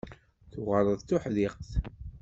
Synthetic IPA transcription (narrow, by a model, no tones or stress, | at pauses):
θuʁəɾˤəðˤθʊħðiqθ